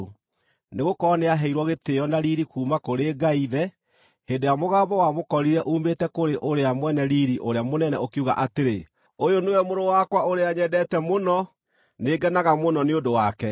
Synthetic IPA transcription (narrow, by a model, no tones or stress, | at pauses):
neɣokɔneaɦɛiɾwɔɣeteɔnaɾiɾikuːmakoɾeɡaiðɛ | heːdejamoɣaːbɔwamokɔɾiɾɛʔuːmetɛkoɾeʔoɾeamwɛnɛɾiɾiʔoɾeamonɛnɛokiuɣa̰ʔateɾe | ojonoɛmoɾowakwaoɾeaɲɛdɛtɛmonɔ | neːɡɛnaɣamonɔneodowakɛ